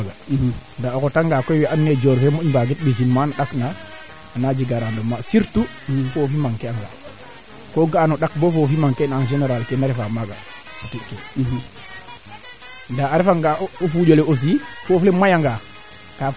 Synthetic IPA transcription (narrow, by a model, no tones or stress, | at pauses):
ɡandaokotaŋɡakojwiʔanːed͡ʒoɾfemoɲbaɡit̚ɓis̬inmanaɗakna | anad͡ʒiɡaɾanɗomasiɾtu | fofimaŋkɛaŋɡa̰ | koɡanoɗak̚bofofimaŋkenaŋʒeneɾalkenaɾifamaɡa | sutikːe | ndaːɾefaŋɡaofuɟoleos̬ifoflemajaŋɡa | ka